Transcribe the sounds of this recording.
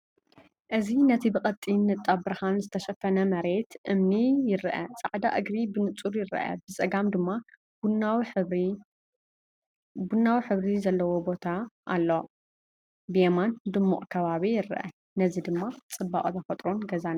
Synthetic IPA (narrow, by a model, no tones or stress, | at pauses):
ʔɨzinɐt̪ʰibɨkʼɐt̪ʼːinːɨt̪ʼːabɨɾɨhanzɨt̪ʰɐʃɐfɐnɐmɐɾe̞t̪ʔɨmnijɪɾʔɐsʼaʕd̪aʔɨɡɾibɨnɨt͡sʼuɾjɪɾʔɐ̰bɨsʼɐɡamd̪ɨmːa | w | bunːawiħɨβɾizɐlːɐwo̞bo̞t̪ʰaʔːlːo | bɨjemand̪ɨmːṵʔʼkʰɐβaβijɪɾʔɐ̰ | nɐzid̪ɨmːat͡sʼɨbːa̰kʼt̪ʰɐfɐt̪ʼɾo̞nɡɐzan